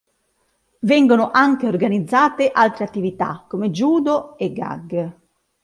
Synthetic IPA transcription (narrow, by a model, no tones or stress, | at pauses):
vɛŋɡonʊʔaŋkeorɡanid̪zːaːt̪eʔalt̪ɾeat̪ːivit̪a̰kːomed͡ʒuːd̪oɛɡːa̰ɡ